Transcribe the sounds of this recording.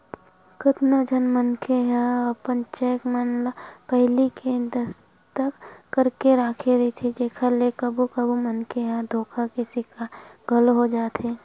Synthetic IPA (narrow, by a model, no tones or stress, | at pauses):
kət̪nəd͡ʒʱənmənkʰeɦɛ̃ɔɾpənt͡ʃɛːkmaːnlapɛɦliked̪ɐs | t̪əkːɐɾkeɾaːkʰeɾɐit̪ʰid͡ʒeːkʰəɾlekɐbukɐbumənkeɦɛ̃d̪ʱoːkʰakɪsikaɡʱɐlɦod͡ʒaːt̪ʰeː